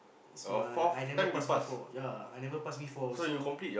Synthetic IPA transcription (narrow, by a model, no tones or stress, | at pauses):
sɔfɔajnɛɛ̃paspasfɔjaajnɛvəpasbifɔsojukɔ̃mplit̚jɔ